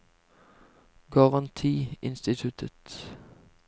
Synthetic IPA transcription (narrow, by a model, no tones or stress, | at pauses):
ɡɑʁɑnt̪ʰiːɪ̰nst̪ɪt̪ʰʉt̪ʰət̪